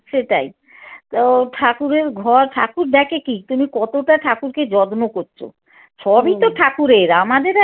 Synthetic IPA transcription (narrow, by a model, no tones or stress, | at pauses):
ʃeʈa̰j̪ | oʈʰakuɾeɾɡʱɔɾʈʰa̰kuɾd̪ɛkʰekit̪umikɔt̪oʈaʈʰakuɾked͡ʑɔd̪nokoɾɕʰo̰ | ʃɔbit̪oʈʰakuɾeɾamad̪eɾ